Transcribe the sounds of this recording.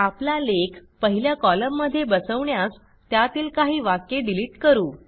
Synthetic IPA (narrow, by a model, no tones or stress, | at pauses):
aplalekpəɦiljakɔləmːəd̪ʱːjebəsəʋɳjas | t̪jat̪iːlkaɦiːʋakeɖiliːʈkəɾuː